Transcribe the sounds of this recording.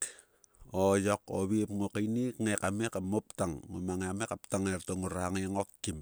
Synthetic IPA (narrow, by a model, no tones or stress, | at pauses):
ojoko̰βipŋokajnikŋekamekamop̚taŋːomaŋeamekaptaŋeɾtoŋuɾaŋeŋotkim